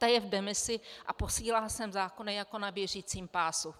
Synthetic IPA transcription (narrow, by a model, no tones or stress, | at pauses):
t̪ajɛvdɛmɪsɪʔa̰po̞siːlaːsɛmzaːkonɛjako̞nabjɛriːt͡siːmpaːsu